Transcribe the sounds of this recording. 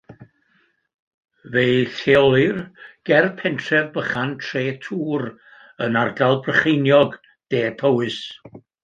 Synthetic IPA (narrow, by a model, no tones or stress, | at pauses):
vejθelˠɨrɡ̥ɛrpʰɛntʰrɛvbəχantʰreːtʰuːɾ | ənardalˠbrəχejnjɔɡ | d̥eːpʰəwɨs